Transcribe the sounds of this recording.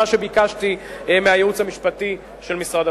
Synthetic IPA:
aʃebikaʃtimeajeut͡shamiʃpati | ʃe̞lmisʁada

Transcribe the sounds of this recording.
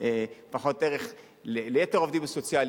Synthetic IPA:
efaχo̞teʁeχ | lelejeteʁovd̪imasot͡sjal

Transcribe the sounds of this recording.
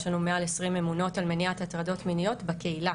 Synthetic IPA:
ʃanumealesʁimemuno̞talmeniathatʁado̞tminijo̞tbake̞ila

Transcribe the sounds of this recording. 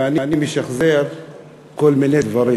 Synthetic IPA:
anianimeʃaχzeɾ | kolmined̪vaɾi

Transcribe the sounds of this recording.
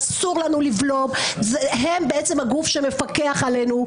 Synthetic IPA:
suʁlanulivlo̞bzɦembeett͡semhaɡufʃemefake̞aχale̞nu

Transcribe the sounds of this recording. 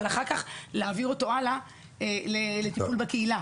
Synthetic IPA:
laχaʁkaχleaviʁo̞toala | lelet̪ipulbekeila

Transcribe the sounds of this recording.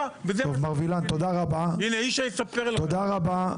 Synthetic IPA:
vezovmaʁvilant̪od̪aʁabaineiʃajesapeʁlt̪od̪aʁaba

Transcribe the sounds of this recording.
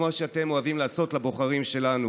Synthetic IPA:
maʃeat̪e̞mo̞avimlaːso̞t̪labo̞χaʁimʃe̞lanu

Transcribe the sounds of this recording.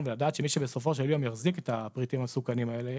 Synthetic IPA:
nvelad̪aːt̪ʃemiʃebeso̞fo̞ʃeljo̞mjaχziket̪apʁit̪imhasukanimaele

